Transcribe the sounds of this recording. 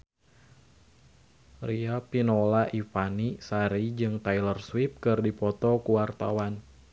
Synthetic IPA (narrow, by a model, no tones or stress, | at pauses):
riapinolaʔifanisaɾid͡ʒɨŋt̪ajlərswip̚kɨrdipɔt̪ɔkuwart̪a̰wan